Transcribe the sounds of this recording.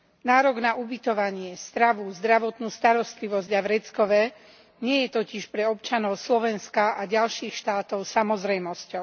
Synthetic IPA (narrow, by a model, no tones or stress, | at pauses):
naːɾɔɡnaʔubit̪ɔʋaɲɪɛst̪ɾaʋuzd̪ɾaʋɔt̪nuːst̪aɾɔst̪liʋɔzɟaʋɾɛt͡skɔʋɛ | ɲɪɛjɛt̪ɔciʃpɾɛɔp̚t͡ʃanɔʊslɔʋɛnskaʔaɟalʃiːxʃt̪aːt̪ɔʊsamɔzɾɛjmɔscɔʊ